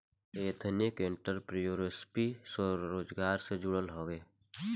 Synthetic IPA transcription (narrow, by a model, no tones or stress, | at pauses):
eːt̪ʰnɪkẽɳʈəɾpɾijoːɾespisəɾoːd͡ʒɡaːɾsed͡ʒʊɽəlɦoːʋeː